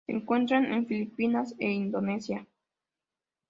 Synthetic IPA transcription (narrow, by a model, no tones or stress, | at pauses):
eḛŋkwe̞nt̪ɾanḛnfilipinaseind̪onesja